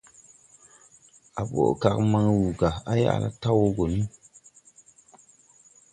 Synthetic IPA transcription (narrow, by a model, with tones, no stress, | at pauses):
a˨ɓo̰˨ka˨kma˦ŋwu˨ɡa˨a˦ja̰˦˨la̰˦ta˦wo˦ɡo˨ni˦